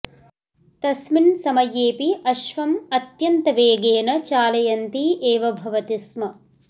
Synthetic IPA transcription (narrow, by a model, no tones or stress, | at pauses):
t̪ɐsminsɐmɐjeːpiɐʃʋɐmɐt̪jɐnt̪ɐʋeːɡeːnɐt͡ʃaːlɐjɐnt̪iʔeːʋɐbʱɐʋɐt̪ismɐ